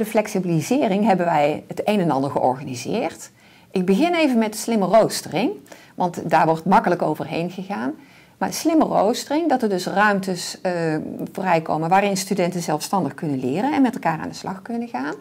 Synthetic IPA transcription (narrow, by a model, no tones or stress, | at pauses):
dəflɛksibilizɪːrɪŋɦɛbənʋɛjɦətejnɛnɑ̰ndəɹχəʔɔ̰ɹɣanizɪːrt | ʔɪɡ̚bəɣɪnejvənmɛtəslɪmərowstərɪŋ | ʋɑntdaːɹʋɔɹtmɑkələkowvərɦḛjnɣəɣaːn | ma̰ːəslɪməro̰wstərɪŋdɑtəɹdɵsrœɥmtəs | voːrɛjko̰wmənʋaːrɪnstydɛntənzɛlˠfstɑndəχkɵnənlɪːrənɛnmɛtɛlˠkaːra̰ːndəslɑxkɵnənɣaːn